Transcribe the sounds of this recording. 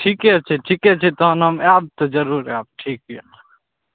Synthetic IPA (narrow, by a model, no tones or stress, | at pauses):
ʈʰiket͡ʃʰeʈʰiket͡ʃʰet̪oɦɐnɐmaːb̚t̪od͡ʒɐɾuɾaːb̚ʈʰiːk